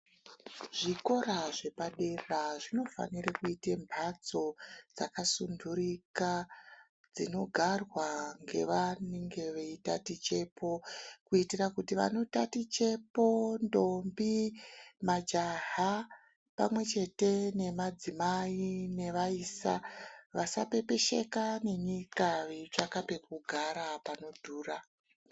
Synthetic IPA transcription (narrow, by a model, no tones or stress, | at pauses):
ʐiko̞ɾaʐe̞paɗe̞raʐino̞fa̰nirakuitembʱat͡so̞d͡zakasunduɾika | d͡zino̞ɡʱarwaŋɡe̞̰ʋaneŋɡe̞ʋeitatit͡ʃe̞pʰo̞kuitirakutiʋa̰no̞tatit͡ʃe̞po̞ndo̞mbimad͡ʒaɦa | pamwe̞t͡ʃe̞te̞ne̞mad͡zimaine̞ʋaiːsa̰ʋasape̞pe̞ʃe̞kane̞ɲikaʋet͡ʂakape̞kuɡʱaɾapano̞dʱuːra